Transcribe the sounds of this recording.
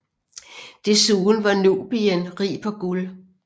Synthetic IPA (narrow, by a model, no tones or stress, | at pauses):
d̥e̝suːn̩ʋɑ̈nub̥ienʁḭːpʰɒ̽ɡ̥ul